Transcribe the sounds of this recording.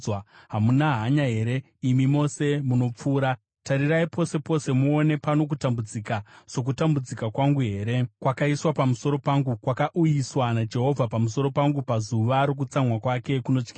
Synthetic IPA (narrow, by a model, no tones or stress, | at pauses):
aɦamunaɦaɲaɦe̞ːɾe̞ | imimo̞se̞muno̞p͡fuːɾa | taɾiraipo̞se̞po̞se̞muone̞pano̞k̬utambud͡zikaso̞k̬utambud͡zikakwaŋɡuɦe̞ːɾe̞kwakaiswapamuso̞ɾo̞paŋɡukwakaʔujiswanad͡ʒe̞ɦo̞vʱapamus̬o̞ɾo̞paŋɡupazuʋaɾok̬ut͡samwakwake̞kuno̞t͡ʃkisa